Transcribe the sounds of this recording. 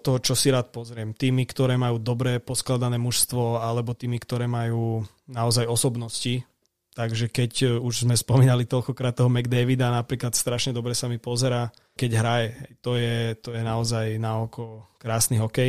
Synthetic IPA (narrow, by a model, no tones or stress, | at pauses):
t̪ːɔɦɔt͡ʃɔsiɾaːt̪̚pɔzɾɪɛmt̪iːmikt̪ɔɾɛːmajuːd̪ɔbɾɛpɔsklad̪anɛːmuʃst̪ʋɔalɛbɔt̪iːmikt̪ɔɾɛːmajuː | naɔzajɔsɔbnɔsci | t̪aɡʒɛkɛcuʒzmɛspɔmiːnalit̪ɔlkɔkɾaːt̪ːɛɦɔmɛɡd̪ɛʋid̪anapɾiːklat̪st̪ɾaʃɲɛd̪ɔbɾɛsamipɔzɛɾaː | kɛɟɦɾajɛɦɛjt̪ɔjɛt̪ɔjɛnaɔzajnaɔkɔkɾaːsniɦɔkɛj